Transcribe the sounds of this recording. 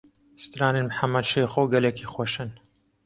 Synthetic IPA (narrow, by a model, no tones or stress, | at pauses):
st̪ɾaːninmħamːɐd̪ʃejxoːɡɐlekʰixwoʃɨn